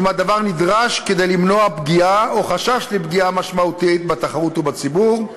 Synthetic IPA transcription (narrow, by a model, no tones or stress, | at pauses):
mad̪avaʁnid̪ʁaʃke̞d̪ejlimno̞abɡiaoχaʃaʃlibɡiamaʃmaut̪it̪̚bat̪aχaʁut̪ubat͡sibuʁ